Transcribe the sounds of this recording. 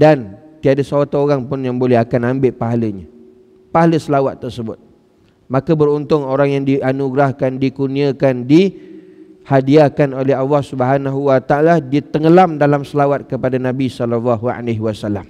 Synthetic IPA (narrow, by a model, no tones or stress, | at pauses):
dant̪iadasawat̪aoɾaŋpʊnjaŋbolɛɦakanambɪʔpaɦaləɲa | paɦaləsəlawat̪ːərsəbʊt̪̚ | mãkəbəɾunt̪ʊŋoɾaŋjaŋdianuɡɾahkandikunĩakandi | hadiakanolɛɦɑlːɑhsubəɦanaɦuwat̪aaladit̪əŋəlamdalamsəlawat̪̚kəpadanãbisɔlɔlːaɦua̰leɦwasalam